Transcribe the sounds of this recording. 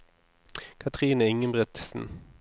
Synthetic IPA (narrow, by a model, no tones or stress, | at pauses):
kʰɑt̪ʰʁiːnəɪŋəmbʁɛt̪sn̩